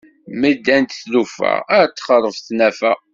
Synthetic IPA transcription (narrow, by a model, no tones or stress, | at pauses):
məd̪ːænt̪θlufæ̰æɾt̪ːχəɾˤəfθnæfæ̰